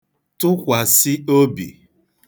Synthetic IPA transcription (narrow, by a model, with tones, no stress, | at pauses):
tʊ˦kʷa˨sɪ˦o˦bḭ˨